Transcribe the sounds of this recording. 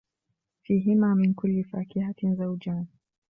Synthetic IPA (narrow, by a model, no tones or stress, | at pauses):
fiɦimaminkulːifakihatinzaud͡ʒan